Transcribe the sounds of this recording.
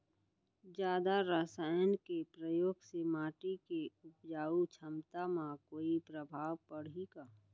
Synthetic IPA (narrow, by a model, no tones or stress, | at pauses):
d͡ʒjaːd̪aɾaːsaːjənkepɾəjoːɡsemaːʈikeʊpd͡ʒaːut͡ʃʰəmt̪amãkoːipɾəbʱaːʋpəɽiɡaː